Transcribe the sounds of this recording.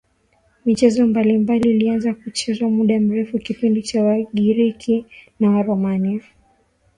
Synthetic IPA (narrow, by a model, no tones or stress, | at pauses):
mit͡ʃɛzɔmbalimbaliːlianzakut͡ʃɛzwamuɗam̩ɾɛfukipindit͡ʃawaɠiɾikʰinawaɾɔmanifu